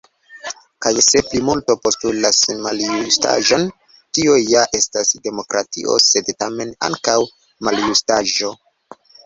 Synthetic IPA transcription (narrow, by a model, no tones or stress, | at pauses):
kajse̞plimulto̞po̞stulasmaljusta̰ʒon | tiojaʔe̞stasde̞mo̞kɾʔatḭʔo̰se̞dtame̞na̰ŋkaw | maljustaʒo̞